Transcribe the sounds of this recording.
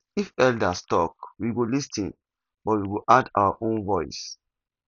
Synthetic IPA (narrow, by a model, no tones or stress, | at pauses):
ifɛldastɔkwiɡolistĩn | bɔtwiɡoʔada̰waʔõnvɔɪs